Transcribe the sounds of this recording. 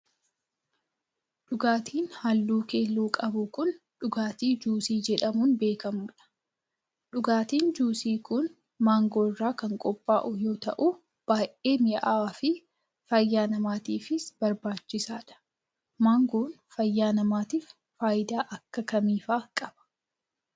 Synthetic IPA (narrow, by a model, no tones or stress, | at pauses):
ᶑʊɡaːt̪ʰiːnhɐlːuːke̞ːlːuːkʼɐbʊkʊn | ᶑʊɡaːt̪iːd͡ʒuːsiːd͡ʒɛᶑɐmuːnbe̞ːkɐmʊːᶑɐ̥ | ᶑʊɡaːt̪iːnd͡ʒuːsiːkʊn | maːŋɡoːɪrːaːkɐŋkʼɔpʼːaːʔʊjo̞ːt̪ɐʔu | b̥aːʔeːmɪʔaːfɪ | fɐjːaːnɐmaːt̪iːfɪsb̥ɐɾbaːt͡ʃːɪsaːᶑɐ̥ | maːŋɡoːn | fɐjːaːnɐmaːt̪iːfː | aːjd̪aːʔɐkːɐkɐmiːfaːkʼɐb̥ɐ̥